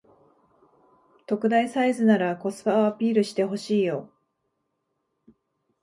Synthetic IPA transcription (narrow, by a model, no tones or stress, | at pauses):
t̪o̞kɯ̟d̪aisaizɨnaɾako̞sɨ̥baapʲiːɾɯ̟ɕi̥t̪e̞ɦo̞ɕiːjo̞